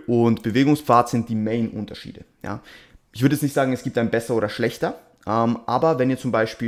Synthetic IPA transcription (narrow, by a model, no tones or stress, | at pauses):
ʔʊntb̥əveːɡʊŋsfaːɐtz̥ɪnt̚d̥iːmeɪnʔʊ̰ntɐʃḭːdəja̰ːʔɪçv̥ʏɐɾəɛt͡ssnɪçtz̥aːɡŋ̩ɛsɡ̥iːp̚taɪnbɛsɐoːdɐʃlɛçtɐ | ʔɛmʔaːbɐvɛniːɐt͡sʊmbaɪʃpiː